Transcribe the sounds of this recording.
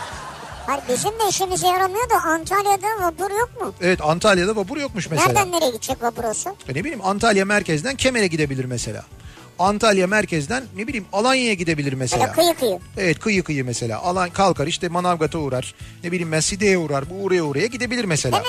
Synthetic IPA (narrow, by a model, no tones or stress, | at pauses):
haɾibezind̪ɛiʃimizejaɾolˠmujod̪uʔant̪ʰalʲˠjad̪avabuɾjo̞k̚mʊevɛt̪ant̪ʰalʲˠjad̪avabuɾjo̞k̚muʃmeseɾɾlʲænːeɾɛɟit̪t͡ʃʰːɛkvabuɾosʊane̞bilʲiːmant̪ʰalʲjamæɾcɛzd̪æncʰe̞me̞ɾɛɟid̪e̞bilʲiɾmese̞lʲa̰ː | ant̪ʰalʲˠjamæɾcʰɛzd̪ænːebilʲiːmalˠanjajaɟid̪e̞bilʲiɾmeslaa̰ːɯjɯkʰɯjɯe̞vɛt̪̚kʰɯjɯkʰɯjɯmese̞lʲa̰ːʔalˠankʰalˠkʰaɾiʃt̪ɛmanavɡat̪ʰauɾaɾ̥nebilʲiːmbænsid̪ejɛuɾaɾbuːɾajauɾajaɟid̪e̞bilʲiɾmese̞l̰ː